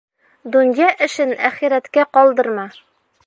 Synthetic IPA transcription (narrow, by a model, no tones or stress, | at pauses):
d̪unjɑʔɘ̆ʃɘnæχiɾæt̪kæqɒlˠd̪ɤ̆ɾmɑ